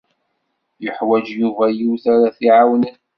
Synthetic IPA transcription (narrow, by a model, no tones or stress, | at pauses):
jəħwæd͡ʒjuvæjuwθaɾaθiʕawnən